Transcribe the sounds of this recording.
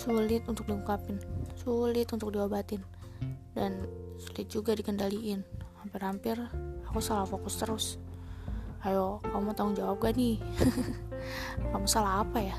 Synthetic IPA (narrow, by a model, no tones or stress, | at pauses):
sulɪt̪unt̪ʊk̚diŋukapɪnsulɪt̪unt̪ʊk̚diabat̪ɪn | dansulɪt̪̚d͡ʒuɡadikəndaliʔɪnhampɪrhampɪrakusalafokʊst̪əɾʊs | ajokamut̪aʊŋd͡ʒawap̚ɡani | kamusalaɦapaja